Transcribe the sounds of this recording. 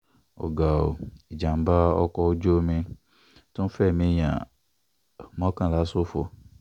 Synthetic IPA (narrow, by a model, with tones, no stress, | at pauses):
ɔ̰˨ɡa˨o̰˨i˨d͡ʒã˨m˨˦ba˦ɔ̰˦kɔ˦d͡ʒo˦mĩ˦ | tʊ̃˦m˦fɛ˦˨mĩ˦ɲã̰˨ | mɔ̃˦kã˨la˨˦sʊ˦fʊ˦